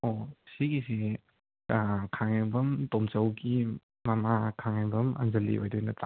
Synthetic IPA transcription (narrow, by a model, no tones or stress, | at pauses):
osiɡise | kʰaŋeŋbɐmtomt͡ʃɐwɡi | mamakʰaŋabɐmɐ̰nzɐlːḭojdojnɐtʰa